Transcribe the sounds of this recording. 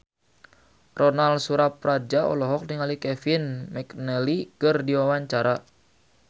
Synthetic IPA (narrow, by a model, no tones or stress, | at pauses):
rɔnalsuɾap̚rad͡ʒaɔ̰lɔɦɔk̚niŋalikɛfinmɛknɛlikərdiwawaɲt͡ʃaɾa